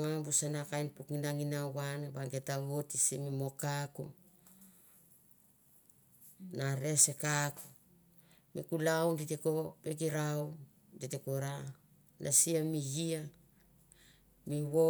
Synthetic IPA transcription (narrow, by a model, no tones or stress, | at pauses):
abusanakajnpukinaŋinawwanabaŋɡetaβotisimimo̞kakṵ | naɾe̞sekaku̥ | mikulawnditeko̞pekiɾaw | nditekoɾa | nʔasiamijia | miwo